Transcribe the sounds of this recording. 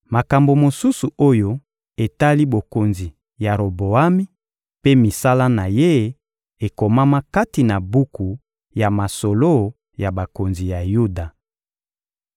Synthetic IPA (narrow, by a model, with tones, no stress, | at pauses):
ma˨ka˨mbo˨mo˨su˦su˨ʔo˦jo˦ | e˨ta˦li˦bo˨ko˨nzi˨ | ja˨ɾo˨bo˨a˦mi˦ | pe˦mi˨sa˦la˦na˨je˦ | e˨ko˨ma˦ma˦ka˦ti˨na˨bu˦ku˨ | ja˨ma˨so˨lo˦ | ja˨ba˨ko˨nzi˨ja˨ju˦da˨